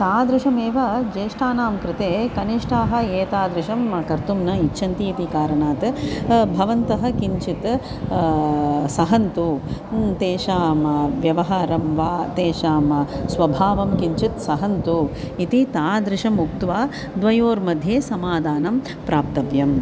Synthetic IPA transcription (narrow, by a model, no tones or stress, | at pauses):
t̪aːd̪ɾɪʃɐmeːʋɐd͡ʒeːʂʈʰaːnaːmpɾɪt̪eːkɐniʂʈʰaːɦɐ̆eːt̪aːd̪ɾɪʃɐmkɐɾt̪umnɐitːʃʰɐnt̪iːt̪ikaːɾɐɳaːt̪bʱɐʋɐnt̪ɐɦɐ̆kiɲt͡ʃit̪ | sɐɦɐnt̪ut̪eːʃaːmɐʋjɐʋɐɦaːɾɐmʋaːt̪eːʂaːmɐsʋɐbʱaːʋɐmkiɲt͡ʃit̪sɐɦɐnt̪u | it̪it̪aːd̪ɾɪʂɐmuk̚t̪ʋaː | d̪ʋɐjoːɾmɐd̪ʱjeːsɐmaːd̪ʱaːnɐm | pɾaːp̚t̪ɐʋjɐm